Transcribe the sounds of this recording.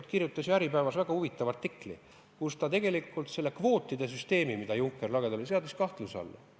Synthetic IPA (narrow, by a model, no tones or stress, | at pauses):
t̪kirjut̪ːˑɑsʲjæɾipæevɑsvæɡ̥ɑhuvit̪ːˑɑvɑrt̪ːˑikˑlḭ | kust̪ɑt̪e̞ɡe̞likːˑult̪se̞lːe̞kvo̞ːt̪ːˑid̪̥e̞s̬yst̪e̞ːmimid̪ɑjuŋkːˑe̞rlɑɡ̥e̞d̪̥ɑos̬eɑd̪iskɑht̪lusɑ̰lːɑ̰